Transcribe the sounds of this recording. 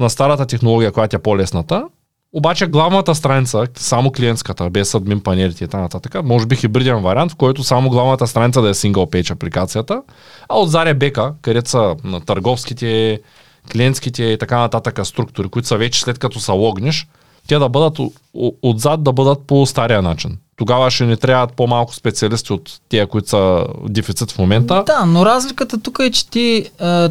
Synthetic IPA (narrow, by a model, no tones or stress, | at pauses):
nɐst̪aɾət̪ɐt̪ɛxnolˠɔɡʲijɐkojat̪iɛpolɛsnɐt̪ə | obat͡ʃɛɡlˠavnɐt̪əst̪ɾanit̪səsamoklʲijɛnt̪skət̪əbɛsːɐd̪mimpɐnɛlʲit̪ɛit̪ɐkanɐt̪at̪əkəmɔʒɛbixibɤɾd̪iɛnvɐɾʲant̪fkɔjt̪osamoɡlˠavnɐt̪ɐst̪ɾanit̪səd̪ɐjɛsiŋɡəlˠpɛjt͡ʃɐplikat̪sijət̪ə | ɐod̪zaɾɛbɛkəkɐɾɛt̪sɐt̪ɐɾɡɔfsk̟it̪ɛ | klʲɛnt̪sk̟it̪ɛit̪ɐkanɐt̪at̪əkəst̪ɾuk̚t̪ʊɾikoit̪ʊ̥sɐvɛt͡ʃɛ̥slɛt̪̚kɐt̪ɔsɐlˠɔɡnɛʃ | t̪ɛd̪ɐbɤd̪ɐt̪ | od̪zad̪̚ːɐbɤd̪ɐt̪̚post̪aɾijɐnat͡ʃint̪oɡavəʃɛnɛt̪ɾʲabɐt̪̚pomalˠkʊ̥spɛt̪siɐlist̪iot̪ːɛɐkoit̪o̥sɐd̪ɛfit̪sit̪fmomɛnt̪əd̪anoɾazlʲikət̪ət̪ukəɛt͡ʃɛ̥t̪i